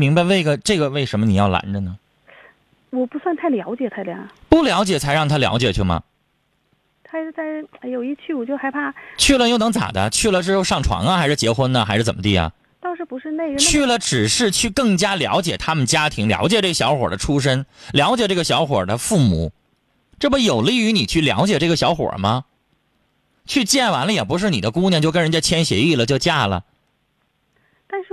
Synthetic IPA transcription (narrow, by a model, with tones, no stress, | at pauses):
mi˧˥ŋba˧ɪwe˥˩ɪɡə˩ʈ͡ʂɤ˥˩ɡə˩we˥˩ɪʂə˧˥nmə˧ni˨˩jɑ˥˩ʊla̰˧˥ndə˧nə˩ | wɔ˨˩pu˧˥swa˥˧nt̪ʰa˥˩ljɑ˧˥ʊt͡ɕjɛ˨˩t̪ʰa˥˩ɪljɑ̰˧˥pu˥˩ljɑ˧˥ʊt͡ɕjɛ˨˩t͡sʰa˧˥ɪɻɑ˥˩ŋt̪ʰa˥ljɑ̰˧˥ʊt͡ɕjɛ̰˨˩t͡ɕʰy˥˩mɐ̰˩ | t̪ʰa˥ɪ˥˧t͡sa˥˩ɪ˧jo˨˩ʊi˥˧t͡ɕʰy˥˩wɔ˨˩t͡ɕjo˥˩ʊxa˥ɪpʰa˥˩t͡ɕʰy˥˩˧lə˧jo˥˩ʊnɤ˧˥ŋt͡sa̰˨˩d̪ə̰˦t͡ɕʰy˥˩lə˨ʈ͡ʂɻ̩˥xʊʂɑ˥˩ŋʈ͡ʂʰwɑ̰˧˥ŋɐ˧xa˧˥ɪʂɻ̩˥˩t͡ɕjɛ˧˥xwə˥nə˨xa˧˥ɪʂɻ̩˥˩t͡sə˨˩mə˦t̪̬i˥˩ɐ̰˩ | t̪ɑ˥˧ŋʂɻ̩˥˩pu˧˥ʂɻ̩˥˧ne˥˩˧t͡ɕʰy˥˩lə˩ʈ͡ʂɻ̩˨˩ʂɻ̩˥˧t͡ɕʰy˥˧kɤ˥˩ŋt͡ɕja˥ljɑ̰˧˥ʊt͡ɕjɛ˨˩t̪ʰa˥mə˨nt͡ɕja˥t̪ʰi˧˥ŋljɑ̰˧˥ʊt͡ɕjɛ˨˩ʈ͡ʂɤ˥˩ə˩ɕjɑ˧˥ʊxwɔ̰˨˩d̪ə˦ʈ͡ʂʰu˥ʂ̬ə˥nljɑ˧˥ʊ̯t͡ɕjɛ˨˩ʈ͡ʂɤ˥˩ɡə˩ɕjɑ˧˥ʊxwɔ̰˨˩d̪ə˦fu˥˩mṵ˨˩˦ | ʈ͡ʂɤ˥˩bə˩jo˨˩ʊli˥˩y˧˥ni˨˩t͡ɕʰy˥˩ljɑ̰˧˥ʊt͡ɕjɛ˨˩ʈ͡ʂɤ˥˩ɡə˩ɕjɑ˧˥ʊxwɔ̰˨˩mɐ˦ | t͡ɕʰy˥˧t͡ɕjɛ˥˩nwa˧˥nlə˧jɛ˨˩p̬u˧˥ʂ̬ɻ̩˥˩ni˨˩d̪ə˦ku˥ŋnjɛ˥˧nt͡ɕjo˥˩ʊkə˥nɻə˧nt͡ɕa˥t͡ɕʰjɛ˥nɕjɛ˧˥i˥˩lə˩t͡ɕjo˥˧ʊt͡ɕja˥˩lə̰˩ | t̪a˥˧nʂɻ̩˥˩